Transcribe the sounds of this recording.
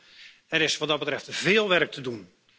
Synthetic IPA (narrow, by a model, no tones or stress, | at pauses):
ɛɾɪsʋɑtdɑtbətɾɛftvɪːlˠʋɛrk̚tʰədun